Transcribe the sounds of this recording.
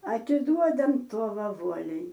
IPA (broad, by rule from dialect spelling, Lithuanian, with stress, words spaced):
ɐtʲɪˈduɔdɐm ˈtuɔʋɐ ˈʋuɔlʲɛɪ